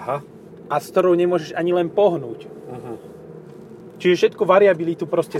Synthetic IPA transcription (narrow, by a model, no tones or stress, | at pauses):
ɦa | ʔaskt̪ɔɾɔʊɲɛmʊɔʒɛʒaɲilɛnpɔɦnuːc̩ɦ | t͡ʃiʒɛfʃɛt̪kuʋaɾiabilit̪upɾɔscɛ